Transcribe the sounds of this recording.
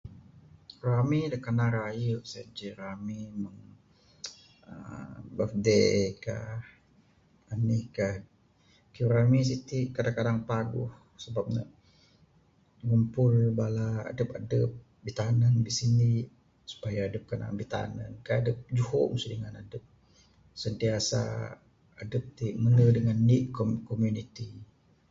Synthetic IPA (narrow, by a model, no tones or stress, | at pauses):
ramidəkanaɾajəʔsad͡ʒiɾamiməŋ | ə̰bafdeka̰h | anihkah | kiuɾamis̬it̪iʔkadakadaŋpaɡʊ̰h | səbap̚nə | ŋumpʊlbala̰ːdəpadəp̚ | bit̪anəndisini | su̥pajaːdəp̚kəna̰bit̪a̰nə̰nkaadəp̚d͡ʒuhɔ̰ʔmusudəŋanadəp̚ | sənt̪iasa̰ | a̰dəp̚t̪iʔmənəhdəŋanːiʔkɔmkomjunit̪i